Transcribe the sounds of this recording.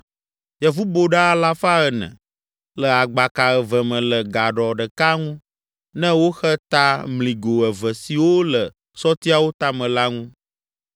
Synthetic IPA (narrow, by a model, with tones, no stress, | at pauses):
jɛ˨vu˦bo˨ɖa˦a˨la˦fa˦ə˨nɛ̰̃˨ | lə˨a˨ɡ͡ba˨ka˨ɛ˨və˨mɛ̃˨lə˨ɡa˨ɖɔ˨ɖə˨ka˦ŋũ˦ | nɛ̃˦wo˦xə˦t̪a˦mlĩ˨ɡo˨ɛ˨və˨si˨wo˦lə˨ | sɔ˦t̪i˦a˨wo˦t̪a˦mɛ̃˨la˦ŋũ˦